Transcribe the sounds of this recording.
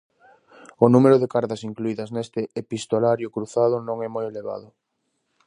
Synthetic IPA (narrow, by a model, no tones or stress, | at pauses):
ʊnumeɾʊðekaɾðɐsiŋkluiðɐznest̪ɪepist̪olaɾjʊkɾuθað̞ʊnõŋɛmojeleβa̰ðʊ